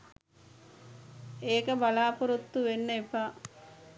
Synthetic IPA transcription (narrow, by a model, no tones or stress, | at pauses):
eːkəbalaːpuɾut̪ːuʋenːəipa